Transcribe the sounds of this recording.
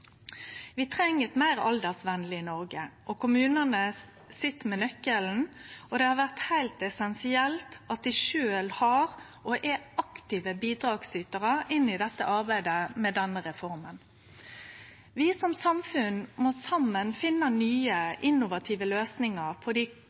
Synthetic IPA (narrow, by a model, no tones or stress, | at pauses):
ʋɪt̪ʰʁɛŋːət̪mæɪʁɑ̰ld̪əʁsʋɛnlɪɪnɔʁɡəʔɔkʰʊmʉːnənə | sɪt̪ːmɛnœkːəln̩ɔd̪ɛhɑɾʋæʁt̪hæɪlt̪ɛsɛnsɪɛlt̪ɑt̪̚d̪ɪʃøːlhɑʁ | ɔʔɛɑkt̪ɪʋəbiːd̪ɾɑːɡsyːt̪əʁəɪnːɪd̪ɛt̪ːə̰ʔɑɾbæɪd̪əmɛd̪ɛnːəʁɛfɔɾmən | ʋɪsɔmsɑmfʉnmɔsɑmːənfɪnːənyːəʔɪnːʊʋɑt̪ʰiːʋəløːsnɪŋəʁpʰɔd̪i